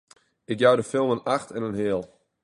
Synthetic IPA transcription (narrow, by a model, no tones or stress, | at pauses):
ɪkjawdəfɪlˠmənaxtɛnənɦɪəlˠ